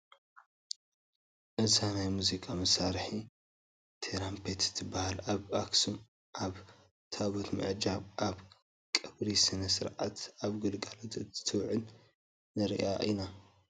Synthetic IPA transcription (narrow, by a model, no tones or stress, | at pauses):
ʔɨzanajmuzikʼamɐsaɾħi | t̪ʰeɾampʰet̪zɨ̥t̪ʰɨbːahalaβaksum | ʔaβ | t̪ʰaβot̪mɨ̰ʕd͡ʒaβʔaβ | kʼɨβɾisɨnɐsɨɾʕa̰t̪aβɡɨlɡalot̪ɨɨ̥t̪ʰɨwʕɨnː | ɨɾḭʔa̰ʔina